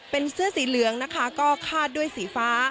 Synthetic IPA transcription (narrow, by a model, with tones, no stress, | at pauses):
pe˧nsɯ˥˩ɐsiː˩˦lɯ˨˩˦əŋna˦˥kʰa˦˥kɔː˥˩kʰaː˥˩t̪̚du˥˩əjsiː˨˩˦faː˦˥